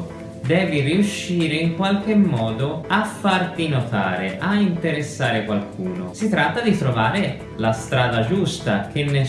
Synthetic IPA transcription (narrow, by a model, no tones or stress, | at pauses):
d̪ɛːviriuʃːiːɾeiŋkwalk̟emːɔːd̪oafːart̪inot̪aːɾeʔaint̪eɾesːaːɾɪkwalkʰuːno̰sit̪ɾat̪ːad̪it̪ɾovaːɾɪ | last̪ɾaːd̪ad͡ʒust̪a̰k̟enːe